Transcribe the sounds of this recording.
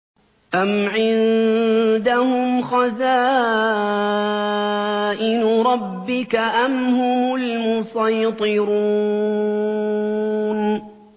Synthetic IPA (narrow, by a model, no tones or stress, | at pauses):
ʔamʕɪn | d̪ahʊmxɑzaː | ʔɪnʊɾˤɑbːɪkaʔamhʊmʊlmʊsɑjt̪ˤɨɾu | n